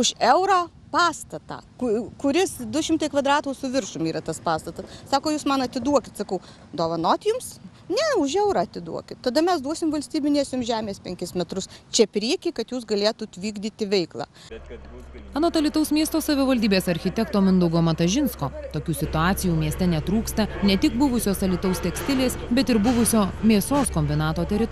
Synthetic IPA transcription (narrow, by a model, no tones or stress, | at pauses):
ʊʃɛʊɾɐː | pɑːst̪ɐt̪ɑ̰ːkʊkʊɾʲɪsd̪ʊʃʲɪmt̪ɐɪkʋɐd̪ɾɑːt̪uːsʊʋʲɪɾʃʊmiːɾɐt̪ɐspɑːst̪ɐt̪ɐssɑːkoːjuːsmɐnɐt̪ʲɪd̪uɔkʲɪt̪sɐkɐʊ | d̪oːʋɐnoːt̪ʲjʊms | nʲɛʊʃɛʊɾɐːɐt̪ʲɪd̪ṵɔkʲɪt̪t̪ɐd̪ɐmʲɛsd̪uɔsʲɪmʋɐlʲsʲt̪ʲiːbʲɪnʲeɛsʲʊmʒʲæːmʲeːspʲɛŋʲkʲɪsmʲɛt̪ɾʊst͡ʃʲɛpʲɾʲiɛkʲiːkɐt̪juːsɡɐlʲeːt̪uːt̪ʲʋʲiːɡd̪ʲiːt̪ʲɪʋʲɛɪklˠɑ̰ː | ɐnoːt̪ɐlʲɪt̪ɐʊsmʲiɛst̪oːsɐʋʲɪʋɐlʲd̪ʲiːbʲeːsɐɾʲxʲɪt̪ʲɛkt̪oːmʲɪnd̪ɐʊɡoːmɐt̪ɐʒʲɪnskoːt̪oːkʲuːsʲɪt̪ʊɑːt̪sʲɪjuːmʲiɛsʲt̪ʲɛnʲɛt̪ɾuːkst̪ɐnʲɛt̪ʲɪk̚bʊʋʊsʲoːsɐlʲɪt̪ɐʊst̪ʲɛksʲt̪ʲɪlʲeːsbʲɛt̪ɪɾbʊʋʊsʲoːmʲeːsoːskɔmʲbʲɪnɑːt̪oːt̪ʲɛɾʲɪt̪